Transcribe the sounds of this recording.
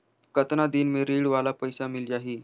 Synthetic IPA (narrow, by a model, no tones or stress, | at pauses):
kət̪nad̪iːnmeɾiːɽʋalapəjsamild͡ʒaɦiː